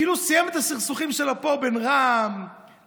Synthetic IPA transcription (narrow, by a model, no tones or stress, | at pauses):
ilusijɛmet̪asiχsuχimʃelapobenʁam